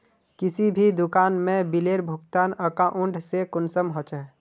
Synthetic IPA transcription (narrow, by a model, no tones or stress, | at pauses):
kɪsibʱid̪ʊkaːnmẽbileːɾbʱʊkt̪aːnəkãʔʊ̃ɳɖʱsekʊnsəmɦot͡ʃɛ